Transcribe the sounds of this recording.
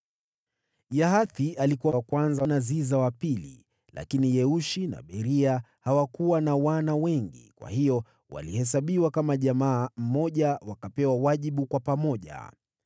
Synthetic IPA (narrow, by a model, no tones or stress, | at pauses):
jaɦaθiʔalikuwakwanzanazizawapilḭ | la̰kinijɛuʃina̰ɓɛɾia | hawakuwanawanawɛŋɡḭkwa̰hijɔ | wa̰lihɛs̬aɓiwakamaʄamaːm̩mɔʄawakapɛwawaʄiɓukwapamɔʄa̰